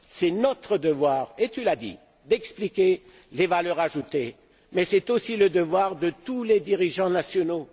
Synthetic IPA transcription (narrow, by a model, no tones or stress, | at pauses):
sɛnɔt̪χəd̪əvwaːʁet̪ylad̪ḭ | d̪ɛksplikʲe | levalœʁaʒut̪e | mɛsɛt̪osiləd̪əvwaʁd̪ət̪uled̪iʁiʒɑ̃nasjɔno